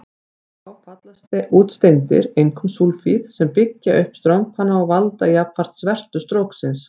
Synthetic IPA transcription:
θ | awfat̪last̪ɪʔuːt̪st̪ejnt̪ɪ̰ɾejŋkʰɔmsulfiðsɛmpɪcːaʔʏhpst̪ɾawŋphanːaɔwvalt̪aiaːpfar̥t̪svɛr̥t̪ʏst̪ɾowksɪns

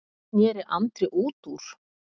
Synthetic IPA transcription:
njɛːɾɪʔant̪ɾɪʔuːt̪uɾ̥

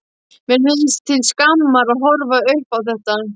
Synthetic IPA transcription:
mjɛɾmɪðɪst̪ʰɪlskamːaɾaðɦɔɾvaœhpawθɛht̪a

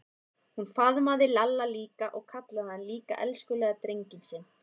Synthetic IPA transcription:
hunfaðmaðɪlalːaliːkaʔɔɣkʰat̪laðɪhanliːka̰ʔɛlskʏlɛːɣat̪ɾejɲcɪnsɪn

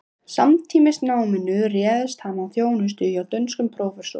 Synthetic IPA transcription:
sa̰mt̪ʰiːmɪsnaːwmɪnʏrjɛːðʏst̪haːmanθjoːwnʏs̬t̪ʏːðjiawt̪œnskʏmpʰɾowfɛsɔ̰

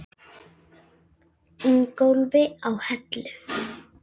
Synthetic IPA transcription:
ɪŋkowlvɪawhɛt̪lʏf

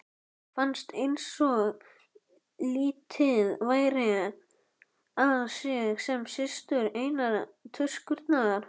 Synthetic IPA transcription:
fanst̪ejnsɔɣ | liːt̪ʰɪðvaːjɾɪ | aðsjɛɣsɛmsɪst̪ʏɾeːjnaɾt̪ʰʏ̥skʏɾt̪naðaɾ̥

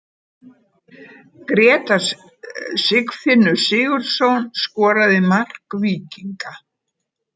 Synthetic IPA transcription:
kɾɛːt̪a | sɪkfɪnːʏsɪːɣʏɾ̥sownskɔːɾaðɪmar̥kviːciŋka

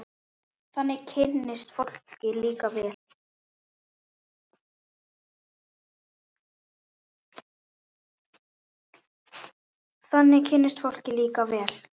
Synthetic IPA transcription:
θanːɪcʰɪnːɪst̪fowl̥cɪliːkavɛːl | θanːɪcʰɪnːɪst̪fowl̥cɪliːkavɛːl̥

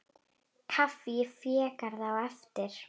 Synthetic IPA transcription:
kʰafifiɛkaɾðawafdɪr

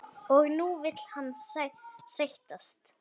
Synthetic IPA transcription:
ɔɣnuvɪt̪l̥hanːsɛsejht̪ast̪

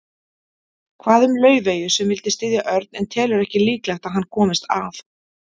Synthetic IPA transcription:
kʰvaːðʏmlœːɥveːjʏsɛmvɪlt̪ɪst̪ɪːðjaʔœɾt̪̚nɛnt̪ʰɛːlʏɾɛhcɪliːklaxt̪aðɦanːkʰɔːmɪst̪a̰ːf

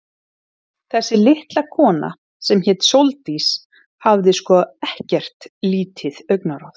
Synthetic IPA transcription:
θɛsːɪlɪht̪lakʰɔːna̰ | sɛmçɛːt̪sowlt̪is | havðɪskɔɛhcɛr̥t̪liːt̪ʰɪðœɥknaɾɔθ

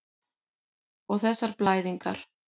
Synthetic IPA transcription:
ɔɣθɛsːaɾplaːjðiŋka̰ɾ̥

